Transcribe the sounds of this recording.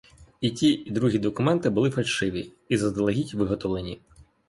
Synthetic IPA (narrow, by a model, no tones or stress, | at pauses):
itʲiid̪ɾuɦʲid̪ɔkʊmɛnt̪ɪbʊlˠɪfɐlʲʃɪʋʲi | izɐzd̪ɐlˠɐɦʲitʲʋɪɦɔt̪ɔʋlˠenʲi